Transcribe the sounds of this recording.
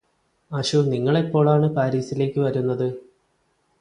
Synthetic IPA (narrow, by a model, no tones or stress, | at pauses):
ɐɕuniŋːɐɭe̞pːo̞ːɭaːɳɨpaːɾiːsile̞ːkʲːɨʋɐɾunːɐðɨ